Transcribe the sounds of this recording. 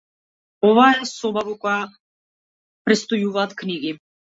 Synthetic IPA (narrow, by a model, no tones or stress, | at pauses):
ɔvaɛsɔbavɔkɔja | pɾɛt̪st̪ɔjuvaːt̪kniɡi